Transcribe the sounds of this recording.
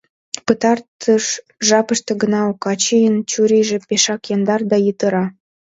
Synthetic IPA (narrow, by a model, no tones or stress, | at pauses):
pət̪ɑrt̪əʃ | ʒɑpə̆ʃt̪ɤ̆ɡənɑokɑt͡ɕijənt͡ɕuɾʲijʒĕpeʃɑkjɑnd̪ɑrd̪ɑjət̪ə̆ɾɑ